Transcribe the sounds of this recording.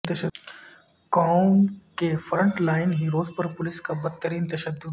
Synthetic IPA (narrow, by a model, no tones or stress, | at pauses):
t̪ɐʃə | kaːʊmkefɾə̃ɳʈlaːɪnɦiɾoːzpɐɾpʊlɪskabɐt̪t̪ːəɾiːnt̪ɐʃəd̪ːʊ